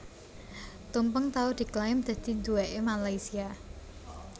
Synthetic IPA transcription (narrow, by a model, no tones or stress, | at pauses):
t̪umpəŋt̪aud̪̥i̤klaɪmd̪̥ä̤d̪̥i̤nd̪uɛʔemalaisia